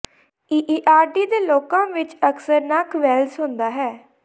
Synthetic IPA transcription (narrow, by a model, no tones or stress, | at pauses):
iːʔiːʔaːɾɖiːd̪eːloːkãːʋɪt͡ʃəksəɾnakʰʋɛːlsɦʊ̃nd̪aːɦɛː